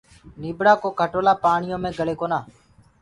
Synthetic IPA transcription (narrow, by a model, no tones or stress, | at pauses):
niːbɽaːkoːkʰəʈoːlaːpaːɳɪjõːmẽːɡəleːkoːnaː